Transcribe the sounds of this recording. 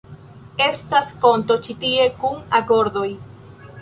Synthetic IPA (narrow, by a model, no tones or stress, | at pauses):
e̞staspo̞nto̞t͡ʃitie̞kuŋako̞ɾdo̞j